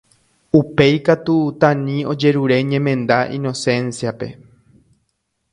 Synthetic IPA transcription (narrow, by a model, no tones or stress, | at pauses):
upe̞jkat̪ut̪ãnĩo̞d͡ʒe̞ɾuɾe̞ɲẽ̞mẽ̞nd̪aʔḭ̃no̞sẽ̞nsiape̞̰